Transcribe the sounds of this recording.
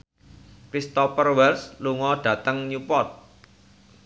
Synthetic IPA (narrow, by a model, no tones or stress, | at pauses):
kɾist̪ɔpərwɛlsluŋɔɖ̥ä̤t̪əŋɲupɔt̪̚